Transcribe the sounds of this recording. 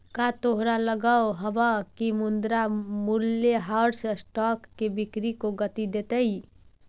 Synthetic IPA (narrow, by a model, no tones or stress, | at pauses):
kat̪oɦɾaləɡawɦəbəkimund̪ɾamulːjeɦaɾssʈɔkːebikɾikoɡət̪id̪et̪əj